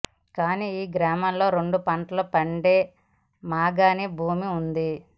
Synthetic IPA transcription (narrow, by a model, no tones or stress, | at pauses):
kaːniːiːɡɾaːmɐmlo̞ːɾeɳɖupɐɳʈlɐpɐɳɖeː | maːɡaːnibʱuːmiund̪i